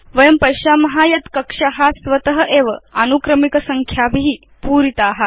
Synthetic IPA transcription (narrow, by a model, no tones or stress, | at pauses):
ʋɐjɐmpɐjʃaːmɐɦajɐt̪kɐkʂaɦasʋɐt̪əɦəʔeʋəanukɾəmikɐsɐŋkʰjabʱiɦi | puːɾit̪aːɦa